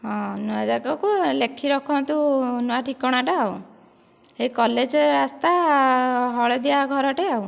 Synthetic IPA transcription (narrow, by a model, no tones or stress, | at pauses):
ɦɔ̃nuad͡ʒakɔkulekʰiɾɔkʰɔnt̪unuaʈʰikɔɽ̃aʈaːw | hekɔled͡ʒɔɾɾast̪a | ɦɔɭed̪iaɡʱɔɾɔʈeaw